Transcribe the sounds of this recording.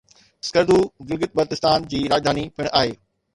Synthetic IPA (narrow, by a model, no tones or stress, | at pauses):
skɐɾd̪ʱuːɡɪlɡət̪̚bɐɾt̪ɪst̪aːnd͡ʑiːɾaːd͡ʑd̪ʱaːnipɪɽ̃ʔaːɦeː